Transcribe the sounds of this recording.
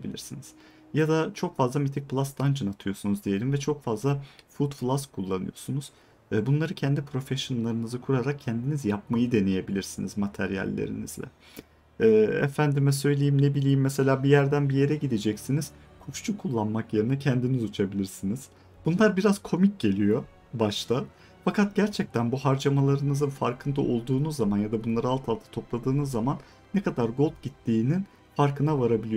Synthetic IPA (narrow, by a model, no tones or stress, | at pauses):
ebḭlʲḭɾsiniz̥ | jad̪at͡ʃʰo̞kfazlˠamit̪ʰic̚pʰlˠast̪ʰand͡ʒʰɯnat̪ʰɯjo̞sunuzd̪ije̞lʲimvɛt͡ʃʰo̞kfazlˠafut̪flˠaskʰulˠːanɯ̰jo̞sunuz̥ː | bunlˠaɾɯcʰɛnd̪ipʰɾo̞fɛʃonlˠaɾɯnɯzɯkʰuɾaɾak̚cʰɛnd̪inizjap̚majɯd̪e̞ne̞je̞bilʲiɾsinizmat̪ʰæɾjæ̰lʲːḛɾḭnḭz̥lʲɛ̰ | ɛːɛ̰fænd̪imɛsø̞jlʲejimnebilʲejimːese̞lʲaːbijæɾd̪ænbije̞ɾɛɟid̪ed͡ʒɛcsiniz̥ | kʰut͡ʃt͡ʃʰukʰulˠːanmakjeɾɯnacʰænd̪inizut͡ʃʰabilʲiɾsiniz̥ | b̥unlˠaɾbiɾaz̥kʰo̞mic̚ɟe̞lʲijo̞ | baʃt̪ʰa | fakʰat̪̚ɟ̥æɾt͡ʃʰɛc̚t̪ʰænbuɦaɾd͡ʒamalˠaɾɯnɯzɯnfaɾkʰɯnd̪aʔo̞lˠd̪uːnuzːamanjad̪abunlˠaɾɯalˠt̪ʰalˠt̪ʰḁt̪ʰo̞plˠad̪ɯːnuzːamanː | ekad̪aɾɡo̞lˠp̚ɟit̪ʰːiːnin | faɾkʰɯnavaɾabilʲij